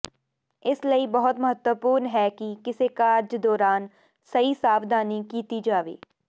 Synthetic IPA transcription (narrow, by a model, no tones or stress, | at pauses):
ɪsləibɐɦʊt̪mɐɦət̪wəpuːɾnɦɛːkikɪsekaɾd͡ʒd̪ɔːɾaːn | sɐɦisaːbd̪ʱaːnikiːt̪id͡ʒaːʋḛː